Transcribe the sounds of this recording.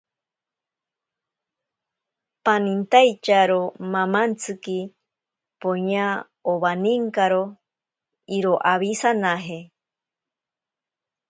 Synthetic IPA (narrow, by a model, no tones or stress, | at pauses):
panint̪ajt͡ʃaɾomamant͡sʰɨki | poɲa | oβaniŋkaɾo | iɾoʔaβisanaɦe